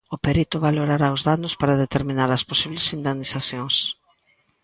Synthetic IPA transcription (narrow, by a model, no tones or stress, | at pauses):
ʊpeɾit̪ʊβaloɾaɾaʊzðanʊspaɾaðet̪eɾmĩnaɾɐsposiβlesind̪enisaθjõŋs